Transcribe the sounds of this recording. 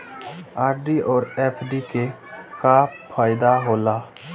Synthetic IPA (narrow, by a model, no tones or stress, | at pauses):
aːɾɖiʔɔːɾeːpʰɖike | ka | pʰaːɪd̪aɦoːlaː